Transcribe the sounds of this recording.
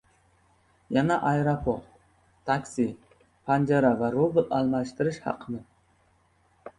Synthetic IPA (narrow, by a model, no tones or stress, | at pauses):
janaʔɑjɾapʰoʁ | t̪ʰakʲsɪ | pʰand͡ʒaɾavaɾobɨlalˠmaʃt̪ɪɾɪʃhɑ̰qʰɨnɪ